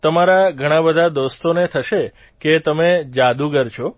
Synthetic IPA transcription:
t̪əmaɾaɡʱəɽ̃ãbəd̪ʱad̪ost̪onet̪ʰəʃe | ket̪əmed͡ʒad̪uɡəɾt͡ʃʰo

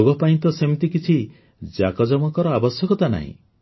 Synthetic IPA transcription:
oɡɔpaĩnt̪ɔsemit̪ikit͡ʃʰi | d͡ʒa̰kɔd͡ʒɔmɔkɔɾɔabɔsjɔkɔt̪ana̰ɦḭ̃

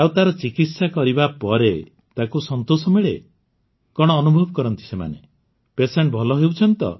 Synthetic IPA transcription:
awt̪aɾɔt͡ʃikit̪sakɔɾibapɔɾe | t̪akusɔnt̪osɔmiɭe | kɔɽ̃ɔːnubʱɔbɔkɔɾɔnt̪i̥sema̰ne | peseɳʈ̚bʱɔlɔɦewt͡ʃʰɔnt̪ɔ̰

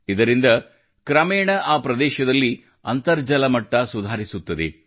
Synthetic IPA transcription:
id̪ɐɾind̪ɐ | kɾɐmeːɳɐʔaːpɾɐd̪ɛːʃɐd̪ɐlːi | ɐnt̪ɐɾd͡ʒɐlɐmɐʈːɐsud̪ʱaːɾisut̪ːɐd̪e̞̰

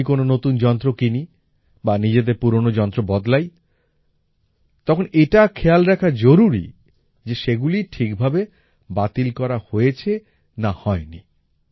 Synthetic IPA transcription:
ikononot̪und͡ʑɔnt̪ɾokini | banid͡ʑed̪eɾpuɾonod͡ʑɔnt̪ɾobɔd̪laj | t̪ɔkʰoneʈakʰealɾɛkʰad͡ʑoɾuɾḭ | d͡ʑeʃeɡuliʈʰikbʱabe | bat̪ilkɔɾahoet͡ɕʰe | nahɔeni

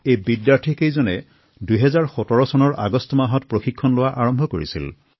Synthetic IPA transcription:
ejbidjaɹtʰikejzɔnɛ | duɦɛzaɹxɔtɔɹɔsɔnɔɹa̰ɡɔstɔmaɦɔtpɹoxikʰːɔnlʊwaʔaɹɔmbʱɔkoɹḭsḭl

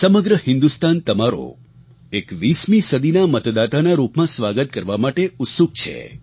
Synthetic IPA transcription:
səməɡɾəhɪ̃nd̪ust̪ant̪əmaɾo̰ | ekʋismĩsəd̪ʱinamət̪d̪at̪anaɾupmãsʋaɡət̪̚kəɾʋamaʈeʊt̪suɡ̚t͡ʃʰḛ

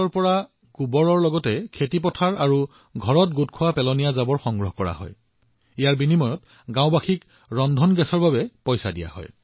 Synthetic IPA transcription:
ɔɹpɔɹa | ɡubɔɹɔɹlɔɡɔtɛkʰetip̬ɔtʰaɹaɹu | ɡʱɔɹɔt̚ɡutkʰʊwapɛlɔnijazabɔɹxɔŋɡɹɔɦkɔɹa̰ɦɔ̰j | ijaɹbinimɔjɔt | ɡãʊ̃baxʰik | ɹɔndʱɔnɡɛsɔɹbabɛpɔjsadija̰hɔ̰j

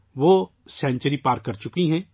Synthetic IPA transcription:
ʋo | sɛ̃ːɲt͡ʃəɾipaːɾkːɐɾt͡ʃʊkiɦɛ̃ː

